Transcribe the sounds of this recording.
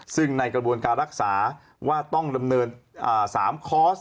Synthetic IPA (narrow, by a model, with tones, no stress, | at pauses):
sɯ˥˩ŋna˧jkɾa˧bu˧ənkaː˧nɾa˦˥k̚saː˩˦ | waː˥˩t̪ɔ˥˩ŋda˧mnɤː˧nʔəː˨˧˩saː˩˦mkʰɔː˦˥s